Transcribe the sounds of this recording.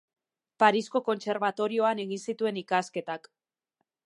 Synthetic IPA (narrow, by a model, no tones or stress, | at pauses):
paɾisko̞ko̞nt͡se̞ɾβ̞at̪o̞ɾio̞ane̞ɣinsit̪ue̞nikaske̞t̪ak